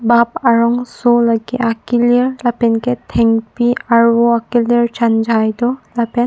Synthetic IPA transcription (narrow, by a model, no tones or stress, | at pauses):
bap̚aɹɔŋsulaɡiʔakiliɹlapɛnkɛtʰɛŋpiaɹuakilɹt͡ʃʰand͡ʒʱajtɔlapɛn